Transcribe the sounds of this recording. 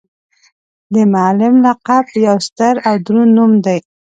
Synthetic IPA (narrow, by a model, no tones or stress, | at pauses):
d̪əmalɪmlaqabjawst̪əɾawd̪ɾunumd̪aj